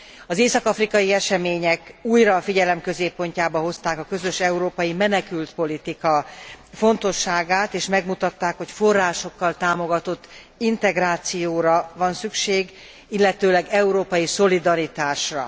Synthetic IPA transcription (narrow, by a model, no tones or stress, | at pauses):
ɒzeːsɒkɒfrikɒjiɛʃɛmeːɲɛkuːjrɒfiɟɛlɛmkø̞zeːpːo̞ɲcaːbɒho̞st̪aːkɒkø̞zø̞ʃɛuɾoːpɒjimɛnɛkylt̪po̞lit̪ikɒfo̞nt̪o̞ʃːaːɡaːt̪eːʃmɛɡmut̪ɒt̪ːaːkho̞cfo̞rːaːʃo̞kːɒlt̪aːmo̞ɡɒt̪o̞t̪ː | int̪ɛɡraːt̪sijoːɾɒvɒnsykʃeːɡ | ilːɛt̪øːlɛɡɛuɾoːpɒjiso̞lid̪ɒɾit̪aːʃrɒ̰